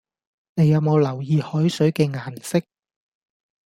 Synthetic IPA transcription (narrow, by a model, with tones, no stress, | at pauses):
ne˨˧jːɐ˨˧wmo˨˧wlɐ˨˩wjiː˨˧hɔː˨˥jsɵ˨˥ɥkɛː˧ŋaː˨˩nsɪ˥k̚